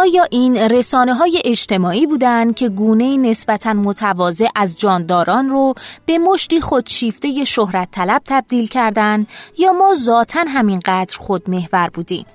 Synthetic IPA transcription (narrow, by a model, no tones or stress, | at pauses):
ʔɒːjɒːʔiːnre̞sɒːne̞ɦɒːje̞ʔed͡ʒt̪ʰe̞mɒːʔiːbuːd̪ænd̪̚cʰe̞ɡuːne̞iːne̞sbæt̪ʰænmot̪ʰævɒːze̞ʔæzd͡ʒɒːnd̪ɒːɾɒːnrob̥e̞mo̞ʃt̪iːχod̪̥ʃiːft̪e̞je̞ʃohɾæt̪ʰːælæb̥̚t̪ʰæb̚d̪iːlcʰæɾd̪ænjɒːmɒːzɒːt̪ʰænɦæminɢæd̪ɾxod̪̚me̞hvæɾbuːd̪iːm